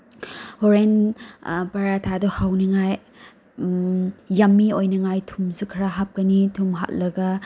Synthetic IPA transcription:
hoɾen | paɾatʰadɔhawniŋaj | amːiojnɐŋajtʰumsukʰɾaɦap̚kɐnitʰumɦa̰t̚lɐɡɐ

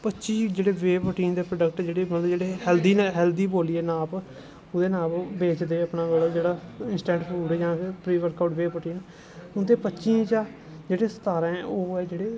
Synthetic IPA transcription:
pətːʃiːd͡ʒeːɽeːʋeːpəʈiːnd̪eːpɾəɖəkʈd͡ʒeːɽeːmət̪ləbd͡ʒeːɽeːɦɛːld̪iːnɦɛːld̪iːboːliːɛːnãːb | ʊd̪eːnãːbbeːt͡ʃd̪eːəpnãːɡəld͡ʒeːɽaːɪnsʈɛ̃ːɳʈpʰuːɖjãːpɪɾpɾiːʋəɾkaʊʈʋeːpəʈiːn | ʊnd̪eːpətːʃĩːd͡ʒaː | d͡ʒeːɽeːsə̥t̪aːɾãːɛʔoːɛːd͡ʒeːɽeː

